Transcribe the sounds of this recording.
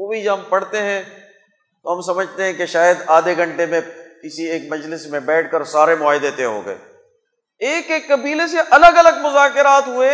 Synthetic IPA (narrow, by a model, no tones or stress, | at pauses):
oːbʱid͡ʒɐbɦɐmpɐɽt̪eɦɛ̃ | t̪oɦɐmsɐməd͡ʒʱt̪eɦɛ̃keʃaːjəd̪aːd̪eɡʱɐ̃ɳʈemẽkɪsieːkmɐd͡ʒlɪsmẽbɛːʈ̚ʰkəɾsaːɾemʊaːɦɪd̪et̪eɦo̰ːɡɐ̰ḛː | eːkekːɐbiːleseʔɐləɡɐləɡmʊzaːkɪɾaːt̪ɦʊe